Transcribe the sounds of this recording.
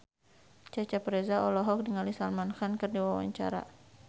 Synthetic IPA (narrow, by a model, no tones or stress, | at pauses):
t͡ʃat͡ʃapɾezaɔlɔɦɔk̚diŋalisalmanxankɨrdiwawa̰ɲt͡ʃa̰ɾa̰